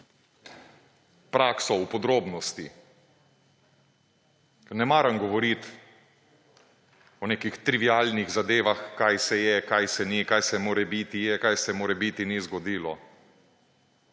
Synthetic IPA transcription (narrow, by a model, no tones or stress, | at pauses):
pɾaːksɔwpɔd̪ɾoːbnɔst̪i | nɛmaːɾəmɡɔʋɔɾit̪ | ɔneːkixt̪ɾiʋialniɣzad̪eːʋaxkajsɛjɛkajsɛnikajsɛmoːɾɛbit̪ijɛkajsɛmoːɾɛbit̪inizɡɔd̪iːlɔ